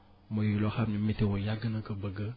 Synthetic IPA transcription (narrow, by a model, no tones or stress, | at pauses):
məjelɔxabnĩmetewojaɡənəkəbəɡə